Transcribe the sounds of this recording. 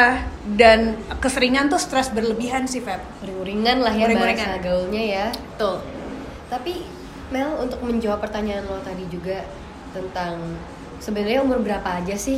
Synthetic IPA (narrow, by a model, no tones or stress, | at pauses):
adankəsəɾiŋant̪ʊst̪ɾɛsbərləbiɦansɪhfɛp̚uɾɪŋuɾiŋanlahjaɾɪŋuɾiŋaɡaulɲajaət̪ʊl | t̪api | mɛlunt̪ʊk̚məɲd͡ʒawapːərt̪aɲaːnlat̪adid͡ʒuɡa | t̪ənt̪aŋ | səbənarɲaumʊrbəɾapaːd͡ʒasɪh